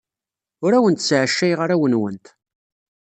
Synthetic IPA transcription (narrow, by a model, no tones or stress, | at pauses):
ʊɾæwənt̪sʕʃːæjʁaɾæwənwənt̪